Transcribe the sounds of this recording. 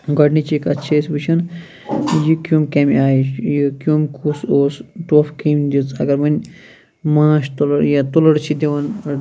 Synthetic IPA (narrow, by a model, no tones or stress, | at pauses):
ɡɐɖnit͡ʃikɐtːt͡ʃʰesʲbɨt͡ʃʰɐn | jikjumkemʲaːjijikʲjuːmkusoːsʈoːfkiːmʲd̪ʲit͡sʰɐ̰ɡɐɾmɐnʲ | mãːʃt̪uljat̪ulɐɽt͡ʃʰid̪ʲeʋɐn